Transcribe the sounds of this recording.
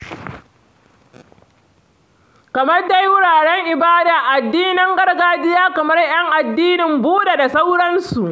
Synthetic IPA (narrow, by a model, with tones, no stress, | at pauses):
kɐ˨mɐ˦rda˨ji˦wʊ˦ɽaː˨ɽɛ˦ŋʔɪ˨baː˦daː˨ʔa˨dːiː˦nɪ˦ŋɡɐ˦rɡaː˦d͡ʒɪ˦jaː˦kɐ˨mɐ˦rj̰ɐ˦ŋʔa˨dːiː˦nɪ˨mbuː˦ɗe˨da˨sa˦wɽɐ˦nsu˨ʔ